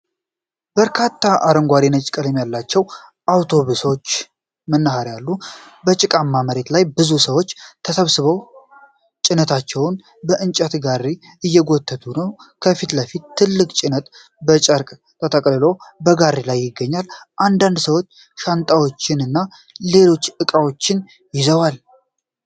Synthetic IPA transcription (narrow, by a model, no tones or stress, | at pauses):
b̥əɾkʰat̪ʰːaʔaɾəŋɡʷaɾinət͡ʃʼkʼələmjalːat͡ʃːɛwʔawt̪ʰo̞βuso̞t͡ʃː | mənːahaɾjalːu | bət͡ʃʼɪkʼamːaməɾe̞t̪lajbɨzusəwo̞t͡ʃːt̪ʰəsəβsɨβəw | t͡ʃʼɪnət̪ʰat͡ʃːɛwʊn | bəʔɨnt͡ʃʼət̪ɡarːi | ɨjːɛɡo̞t̪ʰːət̪ʰunəwkʰəfit̪ləfit̪ʰːɨlːɨkʼt͡ʃʼɪnət̪ | bət͡ʃʼəɾkʼ | t̪ʰːət̪ʰəkʼlɨlo̞bəɡarilajːɪɡːəɲːalʔand̪and̪səwo̞t͡ʃː | ʃant̪ʼawo̞t͡ʃːɪnɨnːa | le̞lo̞t͡ʃːʔɨkʼawo̞t͡ʃːɪn | jɪzəwal